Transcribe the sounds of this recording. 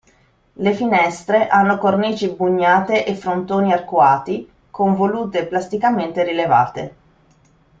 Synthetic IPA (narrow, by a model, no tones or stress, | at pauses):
lefinɛst̪ɾeʔanːokorniːt͡ʃibuɲːaːt̪eʔefɾont̪oːniarkwaːt̪i | koɱvoluːt̪eplast̪ikament̪eɾileva̰ːt̪ḛ